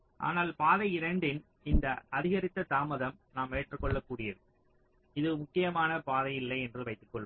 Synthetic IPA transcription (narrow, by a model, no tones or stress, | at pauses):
ʔa̰ːnaːlpaːðɐɪɾɐɳɖɪn | ɪnd̪ɐʔɐðɪɣɐɾɪt̪ːɐt̪aːmɐðɐmnaːmeːʈrɯkːɔɭːɐkːuːɽɪjɐðɯ | ɪðɯmʊkːɪjɐmaːnɐpaːðɐjɪlːɐɪɛndrɯʋɐɪt̪ːɯ̥kːɔɭːɯ